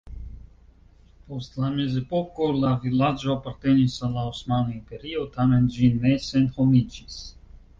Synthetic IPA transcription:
post̪lamezepokolavilad͡ʒoapaɾt̪enisalaosmanoimpeɾiot̪amenʒinːesenxomid͡ʒis

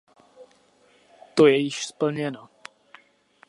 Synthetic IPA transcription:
t̪ojɛjɪʃspl̩ɲɛno

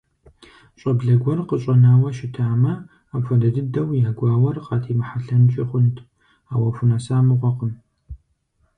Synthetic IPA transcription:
ɕʼɐbɮɐɡʷɔrqəɕʼɐnaːwɐʃɪtʰaːmɐ | abfʷɐdɐdɨdɐwjaːɡʷɑːwɐrqɑːtʰiːmɨħaɬɐnt͡ʃʼɪχʷʊntʰ | aːwɐfʊnasaːmɨʁʷɔqəm

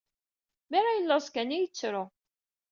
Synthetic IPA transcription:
mæɾajəlːɑsˤkænijət͡sːɾʊ

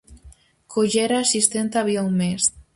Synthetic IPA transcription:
kʰoʒeɾaːsist̪ent̪aβjaumes

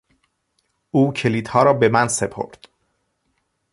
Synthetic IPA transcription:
uːcʰe̞liːd̪̥hɒːɾɒːbe̞mænse̞pʰo̰ɾd̪̥

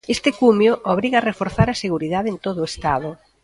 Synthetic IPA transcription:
est̪ɪkumjʊʔoβɾiɣarefoɾθaɾɐseɣuɾiðaðeent̪oðʊest̪aðʊ

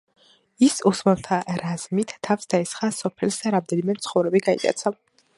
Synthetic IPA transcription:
isusmɛlt̪ʰaɾaz̥mit̪ʰːafsd̪̥aɛsχasɔpʰɛlsd̪aɾamd̪ɛnimɛmt̪sʰχɔvɾɛbiɡaḭt̪ʼa̰t̪sʰa

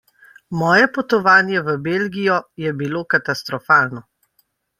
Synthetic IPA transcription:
mɔːjɛpɔt̪ɔʋaːnjɛʋəbelɡijɔjɛbiloːkat̪ast̪ɾɔfaːlnɔ

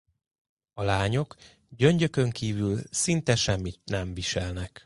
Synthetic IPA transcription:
ɒlaːɲo̞k | ɟøɲɟø̞kø̞ŋkiːvylsint̪ɛʃɛmːit̪nɛɱviʃɛlnɛk

